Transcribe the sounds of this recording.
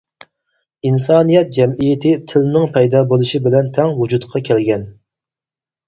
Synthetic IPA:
insɑːnijɛt̪̚d͡ʒɛmijɪt̪ʰɪt̪ʰɪlnɪŋpʰɛjd̪ɑːbolˠuʃibɪlɛnt̪ʰɛŋwud͡ʒut̪qʰɑkʲʰælɡʲɛn

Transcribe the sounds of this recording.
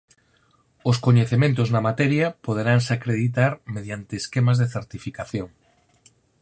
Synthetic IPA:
oskoɲeθemẽnt̪̬oznamat̪ɛɾjapoð̞eɾaŋsakɾeðit̪̬aɾmeðjant̪eːskemazðeθeɾt̪ifikaθjoŋ

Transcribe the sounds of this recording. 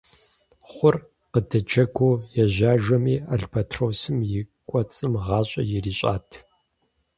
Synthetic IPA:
χʷʊr | qədɐd͡ʒɐɡʷoːjɛʑaːʒɐmiːaɮpʰɐtʰrowsɨmjɪkʷʼɔt͡sʼɨmʁɑːɕʼɐ̰jɪriːɕʼa̰ːtʰ

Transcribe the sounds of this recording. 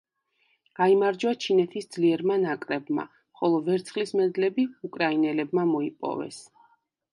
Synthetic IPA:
ɡ̥aimaɾd͡ʒat͡ʃʰinɛt̪ʰisd̪zliɛɾmanakʼɾɛbma̰ | mχɔlˠɔvɛɾt̪sʰχlismɛd̪lɛbiukʼɾainɛlɛbmamɔipʼɔ̰vɛ̰s

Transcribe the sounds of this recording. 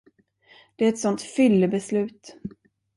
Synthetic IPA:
d̪̥ɛæɾɛt̪sɔnt̪fʏlːəbɛslʉ̟ːt̪

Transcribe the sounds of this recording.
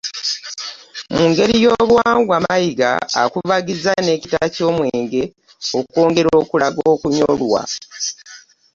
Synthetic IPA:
muːŋɡe̞ɾijo̞ːβwaːŋɡwamajiɡa̰ːkuvaɡizane̞citaco̞ːmwe̞ːŋɡe̞ | okko̞ːŋɡe̞ɾo̞ːkulaɡoːkuɲolwa̰

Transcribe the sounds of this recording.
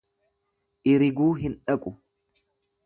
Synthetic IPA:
ʔɪɾɪɡuːɦɪnᶑɐkʼʊ

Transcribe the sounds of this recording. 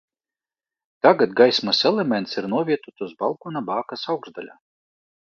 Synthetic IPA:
t̪aɡat̪ɡajsmasɛlɛmʲɛnt̪siɾnuɔvʲiɛt̪ut̪uzbalˠkunabaːkasawɡzd̪alʲa̰

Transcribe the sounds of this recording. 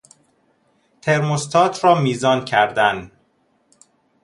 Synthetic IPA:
t̪ʰe̞ɾmost̪ʰɒːt̪ʰɾɒːmiːzɒːncʰæɾd̪æn

